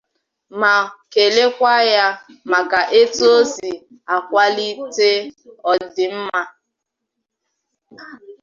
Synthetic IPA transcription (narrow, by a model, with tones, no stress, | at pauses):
ma˨ke˨le˦kʷa˦ja˦ma˨ka˨ʔe˦tu˦o˦si˨ | a˨kʷa˦li˦te˦ɔ˨dɪ˨m̩˦ma˦